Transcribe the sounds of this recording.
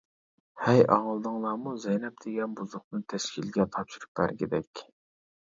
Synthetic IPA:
hɛjɑ̰ʁlˠd̪ɨŋlˠɑːmuzɛjnɛp̚d̪̥ɪɡʲɛnbuzʊq̚nɨt̪ʰɛʃkʲʰilɡʲɛt̪ʰɑpʃyɾup̚bæ̰ɾɡʲɪd̪ɛkʲ

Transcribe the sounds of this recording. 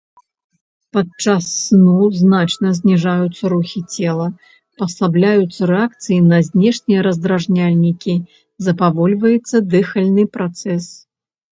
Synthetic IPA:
pat͡ʂasːnuznat͡ʂnɐzʲnʲiʐajut̪sːɐɾuxʲit͡sʲɛlˠɐ | pɐsablʲajut̪sːɐɾɛak̚t̪sɨjinɐzʲnʲɛʂnʲijɐɾɐzd̪ɾaʐnʲalʲnʲikʲi | zɐpavɔlʲvɐjɛt̪sːɐd̪ɨxɐlʲnɨpɾat̪sɛs

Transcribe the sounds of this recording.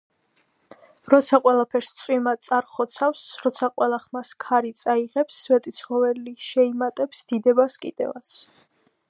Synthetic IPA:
ɾɔt̪sʰaqʼwɛlˠapʰɛɾst̪sʼwimat̪sʼaɾχɔt̪sʰafsɾɔt̪sʰaqʼwɛlˠaχmaskʰaɾit̪sʼaiʁɛpsːvɛt̪ʼit̪sʰχɔvɛliʃɛimat̪ʼɛpsd̪̥id̪ɛbaskʼḭd̪̥ɛ̰va̰t̪sʰ

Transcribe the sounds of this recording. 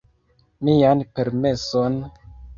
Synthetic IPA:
mianpe̞ɾme̞son

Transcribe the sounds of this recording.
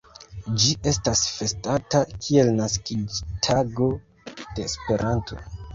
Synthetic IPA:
d͡ʒiʔe̞stasfe̞statakʰie̞lnaskid͡ʒtʰaɡo̞ | d̥e̞ːspe̞ɾʔantʰo̞̰

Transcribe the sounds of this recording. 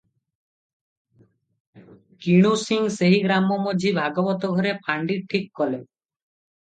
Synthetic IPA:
kiɽ̃usiŋseɦiɡɾamɔmɔd͡ʒʱibʱaɡɔbɔt̪ɔɡʱɔɾepʰaɳɖiʈʰikːɔle

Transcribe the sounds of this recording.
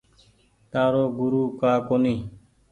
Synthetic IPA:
t̪aːɾoːɡʊɾuːkaːkoːniː

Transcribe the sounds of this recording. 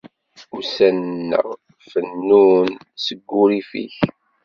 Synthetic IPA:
usænnːə̰ʁ | fənːun | səɡːuɾifḭç

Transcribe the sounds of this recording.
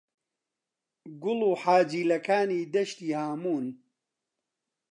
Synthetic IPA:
ɡʊluːħaːd͡ʒiːlɐkaːniːd̪ɐʃt̪iːhaːmuːn

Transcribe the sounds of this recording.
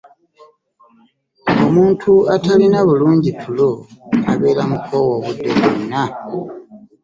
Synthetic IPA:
omuːntʰuatalinaβuluːɲɟitʰulo̞a̰βe̞ːɾamukʰo̞wo̞ːβudːe̞̰βuna

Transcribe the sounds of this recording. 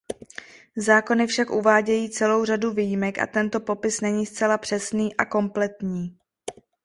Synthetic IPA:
zaːko̞nɪfʃakʔuvaːɟɛjiːt͡sɛlo̞wraduviːjimɛkʔa̰t̪ɛnt̪o̞po̞pɪsnɛɲiːst͡sɛlapr̝̥ɛsniːʔako̞mplɛt̪ɲiː

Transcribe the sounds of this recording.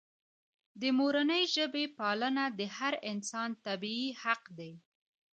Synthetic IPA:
d̪əmoɾanəjʒəbepɑlənad̪əhaɾɪnsɑnt̪abiihaqd̪aj

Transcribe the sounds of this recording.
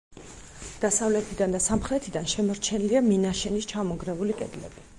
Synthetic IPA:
d̪̥asavlɛt̪ʰid̪and̪asamχɾɛt̪ʰid̪anʃɛmɔɾt͡ʃʰɛniliaminaʃɛnist͡ʃʰamɔɡɾɛvulikʼɛ̰d̪lɛ̰bi

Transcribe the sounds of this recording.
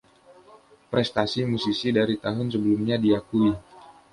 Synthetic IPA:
pɾɛst̪asimusisidaɾit̪aɦʊnsəbəlumɲadiakui

